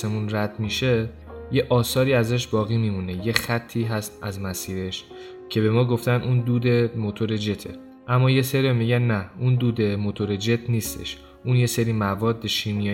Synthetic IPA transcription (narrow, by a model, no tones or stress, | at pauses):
semunræd̪̥miʃe̞ | je̞ʔɒːsɒːɾiːæzæʃ̬bɒːɣiːmimune̞je̞xæt̪ʰːiːɦæst̪æzmæsiːɾe̞ʃ | cʰe̞be̞mɒːɡo̞ft̪ænund̪uːd̪e̞mot̪ʰo̞ɾed͡ʒe̞t̪ʰe̞̰ | ʔæmːɒːje̞seɾiomiːɟænːæund̪uːd̪e̞mot̪ʰo̞ɾed͡ʒe̞t̪ʰniːst̪ʰḛʃ | ʔunje̞se̞ɾiːmævɒːd̪ːeʃinijɒ